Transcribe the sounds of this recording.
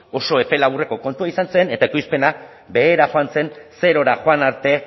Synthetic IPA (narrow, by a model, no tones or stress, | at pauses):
o̞so̞e̞pe̞laβure̞ko̞ko̞nt̪uaisanse̞ne̞t̪aekujspe̞na | be̞ːɾaxoanse̞nse̞ɾo̞ɾaxoanaɾt̪e̞